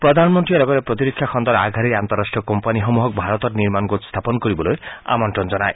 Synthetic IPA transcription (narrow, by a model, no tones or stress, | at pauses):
pɾɔd̪ʱanmɔnʈ̪ɾijɔɾɔɡɔɾepɾɔt̪iɾikʰːjakʰɔnd̪ɔɾaɡʱaɾiɾant̪ɔɾːasʈɾiɔkɔmpaniɦɔmuɦɔk̚bʱaɾɔt̪ɔɾniɾmanɡot̪st̪ʰapɔnɔkɔɾibɔloja̰mɔɳʈɾɔnd͡ʒɔnae